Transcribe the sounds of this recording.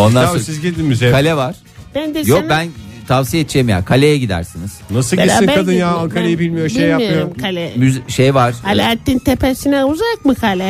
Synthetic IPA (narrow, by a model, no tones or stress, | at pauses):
o̞nd̪aosizɡid̪imyzekʰalʲɛvaɾ̥ | b̥ænd̪ejok̚bænt̪ʰavsijet̪̚ʰd͡ʒʰeimja̰kʰalʲejɛɟid̪æ̰ɾsiniz̥nasɯinkad̪ɯnjaanˠkʰaɾejibilʲmijoʃbiejjajoɯjoɾmkʰalʲɛmyzʃejvaɾ̥halʲaːt̪ːint̪ʰepʰæsinɛuzakmɯkʰalʲɛ